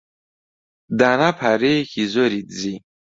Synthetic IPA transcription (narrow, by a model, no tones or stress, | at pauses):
d̪anapʰaɾexizɔɾit̪zi